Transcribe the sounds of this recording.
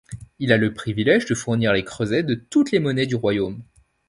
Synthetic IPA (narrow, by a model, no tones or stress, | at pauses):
ilaləpχivilɛʒd̪əfuʁniʁlekχøzɛd̪ət̪ut̪lemɔnɛd̪yʁwajom